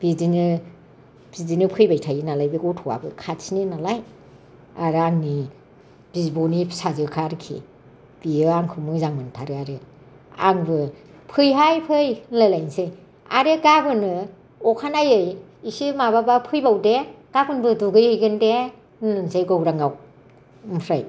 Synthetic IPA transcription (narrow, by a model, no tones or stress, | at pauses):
b̥izinɯ | b̥izinɯpʰɯjbajtʰajɯnalajbɯɡɯwtʰɔwa̰bɯ̰kʰatsininalaj | aɾɯaŋni | b̥izbɔnisazɯkʰaɾɯkʰḭ | b̥iɯaŋkʰɯmɯzaŋmɯntʰaɾɯaɾɯ | a̰ŋbɯ | pʰɯjɦajpʰɯjlalajnsɯj | a̰ɾɯɡabɯnɯ | ɔkʰanajɯjisimaβabapʰɯjbawdeɡ̥abɯnbɯduɡɯjɯjɡɯnde | nɯnsajɡɔwɾaŋaw | mpʰɾaj